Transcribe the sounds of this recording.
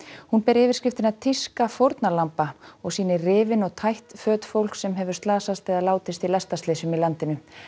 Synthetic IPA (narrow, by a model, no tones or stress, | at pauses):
hunpɛɾɪːvɪɾ̥scɪft̪ɪnat̪ʰiskafowɾt̪nalampaɔɣsiːnɪrɪːvɪnɔɣt̪ʰajht̪fœːt̪fowl̥ksɛmɦɛvʏ̥st̪laːsast̪ɛːðalaːwt̪ɪst̪ilast̪ast̪leːsʏmilant̪ɪnʏ